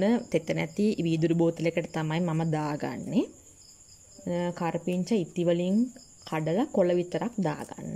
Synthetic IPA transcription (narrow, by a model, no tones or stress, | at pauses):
nət̪et̪ːənæt̪iʋiːd̪uɾuboːt̪ilekəʈət̪amajmaməd̪aːɡa̰nːe | kaɾpiɲt͡ʃəit̪iʋəliŋ | kʰaɖəlɐkoləʋit̪əɾak̚d̪a̰ːɡa̰nːə